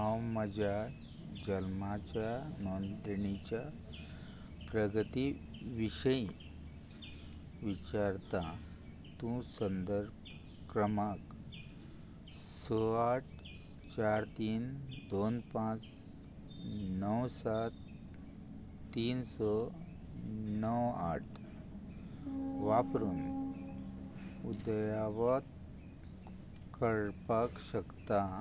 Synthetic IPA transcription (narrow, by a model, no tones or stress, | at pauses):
awməd͡ʑa | d͡ʑəlmat͡ɕjanɔnd̪iɳit͡ɕja | pɾəɡʱət̪iʋiɕəjĩ | ʋit͡ɕaɾt̪a | t̪ũsənd̪əɾb | kɾəmak | sɔaʈ̚ʰ | t͡ɕaɾt̪iːnd̪onpãt͡s | nəwsat̪ | iːnsɔ | nəwa̰ʈʰ | ʋapɾuːn | ud̪jaʋat̪ | kəɭɾpakɕəkt̪a